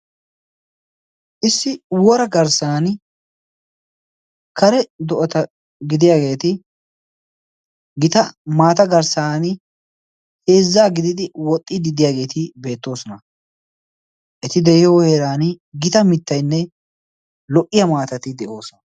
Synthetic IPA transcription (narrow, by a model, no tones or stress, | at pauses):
ʔɪsːɪwɔɾɐɡɐɾsaːn | kʰɐɾɛd̪ɔʔɔt̪ɐ | ɡɪd̪ɪjaːɡe̞ːt̪ɪ | ɡɪt̪ɐmaːt̪ɐɡɐɾsaːn | heːzːaːɡɪd̪ɪd̪ɪwɔt̪ʼːɪd̪ɪd̪ɪjaːɡe̞ːt̪ɪbe̞ːt̪ːo̞ːsɔnɐ | ʔɛt̪ɪd̪ɛjɪjoːheɾaːn | ɡɪt̪ɐmɪt̪ːɐjnːɛ | lɔʔɪjɐmaːt̪ɐt̪ɪd̪ɛʔo̞ːsɔnɐ